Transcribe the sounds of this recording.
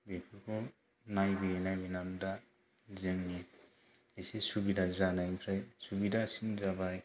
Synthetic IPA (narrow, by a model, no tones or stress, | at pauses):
bepʰikʰu | najbienajbinamda | zɯŋːi | esesubidazanajpʰɾajsubidasinzabaj